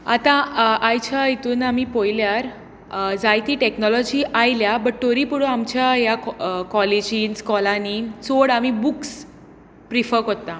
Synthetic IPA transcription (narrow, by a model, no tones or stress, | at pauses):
at̪ãajt͡ɕʰait̪uːnamipojljaɾ | d͡zajt̪iʈeknɔlɔd͡ʑiːʔajljabəʈʈːoɾipuɽəamt͡ɕjajakɔled͡ʑiːnskɔlaniːt͡soɽamibuks | pɾifəɾkot̪ːã